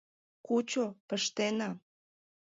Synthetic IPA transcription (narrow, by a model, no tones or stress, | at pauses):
kut͡ɕopəʃt̪enɑ